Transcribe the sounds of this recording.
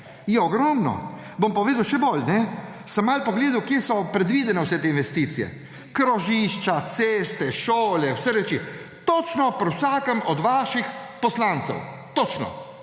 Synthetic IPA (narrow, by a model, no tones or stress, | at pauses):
jɛɔɡɾɔmnɔ̰ | bompɔʋeːd̪ɐwʃɛbolnɛsəmːaːlpɔɡleːd̪ɐwkjeːsɔpɾɛd̪ʋiːd̪ɛnɛwsɛt̪eːinʋɛst̪iːt̪sijɛ̰ | kɾɔʒiʃt͡ʃat̪seːst̪ɛʃoːlɛwsəɾɛt͡ʃi | t̪ɔt͡ʃnɔpɾwsaːkəmɔd̪ʋaːʃixpɔslaːnt̪sɛ̰w | t̪ɔt͡ʃnɔ̰